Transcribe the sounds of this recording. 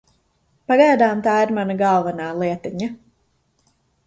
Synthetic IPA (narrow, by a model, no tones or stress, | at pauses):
paɡajd̪aːmt̪aːiɾmanaɡalˠvanaːlˠiɛt̪iɲa